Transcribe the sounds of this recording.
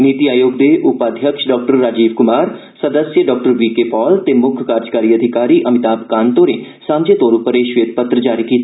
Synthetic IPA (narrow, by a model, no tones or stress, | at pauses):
niːt̪iaːjoːɡ̚d̪eːʔʊpaːd̪ʱjəkʃɖɔːk̚ʈəɾːaːd͡ʒiːbkʊmaːɾ | səd̪əsjəɖɔːk̚ʈəɾʋiːkeːpɔːlt̪eːmʊkʰkaːɾd͡ʒkaːɾiːəd̪ʱɪkaːɾiːʔəmɪt̪aːpkaːnt̪oːɾẽː | sãːmd͡ʒet̪oːɾuːpəɾeːʃʋeːt̪̚pət̪ɾəd͡ʒaːɾiːkiːt̪a